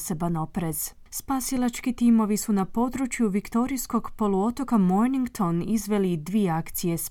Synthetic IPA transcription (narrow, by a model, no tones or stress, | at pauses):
se̞bano̞pɾe̞z̥ | spasilˠat͡ʃkit̪imo̞ʋisunapo̞d̪ɾut͡ʃjuʋikt̪o̞ɾijsko̞ɡpo̞lˠuo̞t̪o̞kamojniŋɡt̪o̞nizʋe̞lid̪ʋieakt̪sije̞s